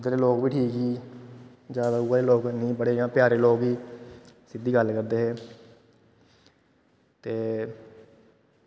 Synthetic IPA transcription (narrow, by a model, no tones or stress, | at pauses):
ʊd̪ɾeːloːkbiːʈʰiːkɦiː | d͡ʒaːbəɡuːaːɾeːloːknĩːpəɽeːjãːpjaːɾeːloːɡbiːsɪd̪iːɡəlkəɾd̪eːɦɛː | t̪eː